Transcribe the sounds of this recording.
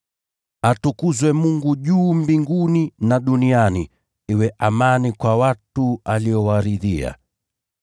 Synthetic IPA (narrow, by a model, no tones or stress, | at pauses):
atukuzwɛmuŋɡuʄuːmbiŋɡuninaɗuniani | iwɛʔamanikwawatualiɔwaɾiðia̰